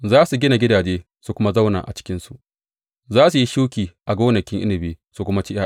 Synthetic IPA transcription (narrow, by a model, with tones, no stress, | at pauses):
zaː˦su˨ɡʲɪ˦na˨ɡʲɪ˦daː˨d͡ʒeː˦ | su˨kʷʊ˦ma˦za˦wna̰˨ʔa̰˨t͡ʃɪ̥˦kʲɪ˦nsu˨ʔ | zaː˦su˨ji˦ʃu˦kʲiː˨ʔa˨ɡoː˦nɐ˨kʲɪ˦ŋʔɪ̰˦nɪ˨beː˨˦su˨kʷʊ˦ma˦t͡ʃi˦ʔa˦˨